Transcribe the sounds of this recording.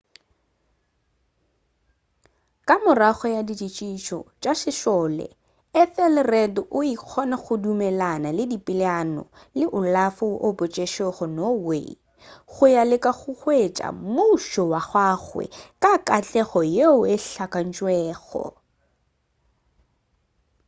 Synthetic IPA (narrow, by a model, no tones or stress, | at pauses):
kʼamʊraχɔjadit͡ʃʼit͡ʃʼiʃɔ̰t͡ʃʼaʃɪʃɔlɛ̰ | ɛfɛlɪrɛdɔʔʊiq͡χʰɔnaχʊdumɛlanalɪdipʼɪlanɔ̰ | lɪʔʊlafʊʔopɔt͡ʃʼeʃɔχɔnɔwḛ | χʊjalɪkʼaɣʊχwet͡ʃʼa̰mʊʃɔwaɣwaːɣwɛ̰kʼakʼat͡ɬʼɛɣɔjeʊeɬakʼan̩t͡ʃʼwɛːɣɔ̰